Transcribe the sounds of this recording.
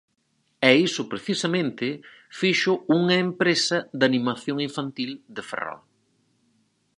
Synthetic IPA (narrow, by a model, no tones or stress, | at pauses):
ɛisʊpɾeθisɐmẽnt̪ɪ | fiʃʊuŋɐempɾesɐðanĩmaθjoŋiɱfant̪ild̪efḛrɔ̰l